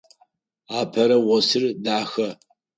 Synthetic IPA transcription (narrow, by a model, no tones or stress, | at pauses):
aːpʰɐɾɐwɔsɨrdaːxɐ